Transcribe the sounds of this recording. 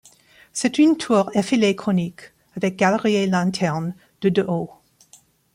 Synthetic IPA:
sɛtyntʰuːʁɛfilekχɔnik | avɛk̚ɡ̥alʁielɛ̃t̪ʰɛʁn | d̪̥əd̪əʔo

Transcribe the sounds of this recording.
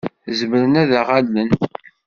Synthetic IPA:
zəməɾənæðaʁalːən

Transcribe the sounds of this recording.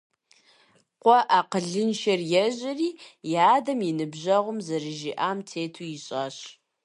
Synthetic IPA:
qʷɔʔaːqəɮɨnʃɐrjɛʑɐriːjaːdɐmjinɨbʑɐʁʷʊmzɐɾɨʒiʔaːmtʰeːtʰuːjɪɕʼaːɕ

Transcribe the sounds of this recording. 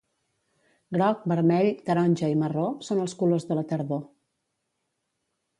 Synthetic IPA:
ɡɾɔk̚bəɾmɛʎt̪əɾɔnʲʒəimərosonəlˠskulozðələt̪əɾðo

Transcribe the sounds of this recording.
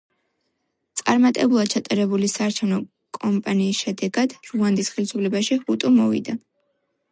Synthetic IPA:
t̪sʼaɾmat̪ʼɛbulˠad̪̥̚t͡ʃʰat̪ʼaɾɛbulisaːɾt͡ʃʰɛvnɔ | kʼɔmpʼaniːsʃɛd̪ɛɡad̪̥ɾuand̪isχɛlisupʰlɛbaʃiut̪ʼumɔ̰vḭd̪a

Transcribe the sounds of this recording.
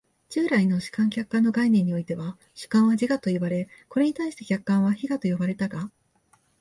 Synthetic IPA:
d͡ʑɨːɾainoɕɨ̥kãŋkʲakːãnːo̞ɡainẽ̞ɲ̟ːio̞it̪e̞βa | ɕɨ̥kãɰ̃βad͡ʑiɡat̪o̞ibaɾe̞ko̞ɾe̞ɲ̟it̪aiɕi̥t̪ekʲakːãɰ̃βaçiɡat̪o̞jo̞baɾe̞t̪aɡa

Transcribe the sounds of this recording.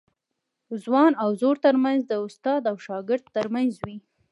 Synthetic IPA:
zwɑnawzoɾt̪əɾmanzd̪əʊst̪ɑd̪awʃɑɡɪɾd̪əɾmanzwi

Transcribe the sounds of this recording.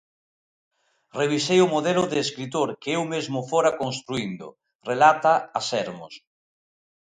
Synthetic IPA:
reβ̞isejʊmoðɛlʊðeːskɾit̪̬oɾkeewmezmʊfoɾakonst̪ɾuind̪ʊ̰ | relat̪aasɛɾmo̰s

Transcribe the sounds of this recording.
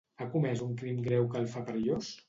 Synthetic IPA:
akumɛzuŋkɾimɡɾɛwkəlˠfapɾəʎos

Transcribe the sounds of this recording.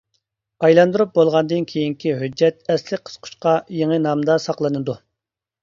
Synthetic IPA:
ɑjlˠɑnd̪uɾup̚bolˠʁɑnd̪ɨnkʲʰejiŋkʲiɦød͡ʒːɛt̪̚ɛslɪk̚ʲqʰə̥sqʰʊ̥ʃqɑjeŋənɑmd̪ɑsɑqlˠɨnɨd̪u

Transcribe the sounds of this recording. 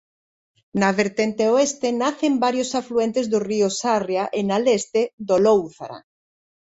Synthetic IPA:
naβeɾt̪ent̪eoest̪enaθembaɾjosafluent̪ezðoriosarjaʔenalest̪eðolowθaɾa̰

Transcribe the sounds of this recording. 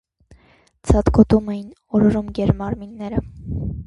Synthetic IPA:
t͡sʰɑt̪kʰɔt̪umɛjin | ɔɾɔɾumɡɛɾmɑɾminːɛɾə

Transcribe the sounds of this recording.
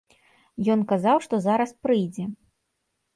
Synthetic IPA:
jɔnkazawʂt̪ɔzaɾɐspɾɨjd͡zʲɛ

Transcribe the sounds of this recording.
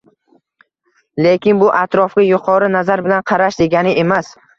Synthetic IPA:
lekʲɪnbʊʔat̪ɾɒfkʲɪjʊqʰɒɾɪnazaɾbɪlanqʰɑɾaʃd̪e̞ɡʲanɪʔe̞mas

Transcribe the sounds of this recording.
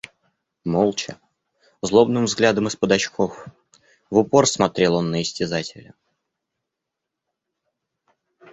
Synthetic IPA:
molˠt͡ɕɪ̰ | zlˠo̞bnɨmvzɡlʲad̪əmɨspəd̪ɐt͡ɕkʰo̞f | vʊpo̞rsmɐt̪ɾʲe̞lˠo̞nːəɪsʲtʲɪzatʲɪlʲɪ̰

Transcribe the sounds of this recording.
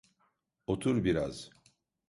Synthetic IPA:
ot̪ʰuɾbiɾa̰z̥

